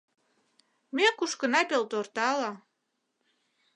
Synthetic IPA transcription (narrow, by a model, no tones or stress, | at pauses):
mʲekuʃkənɑpelt̪ort̪ɑlɑ